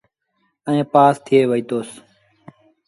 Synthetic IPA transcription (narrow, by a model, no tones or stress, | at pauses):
ə̃ẽːpaːst̪ʰɪjeːʋəiːt̪oːs